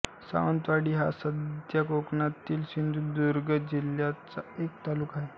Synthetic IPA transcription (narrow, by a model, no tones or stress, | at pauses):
sa̰ʋənt̪ʋaɽiːɦa̰səd̪jakokɳat̪iːlɕind̪ʱuːd̪uɾɡəd͡ʑiljat͡saekt̪aluːkaɦe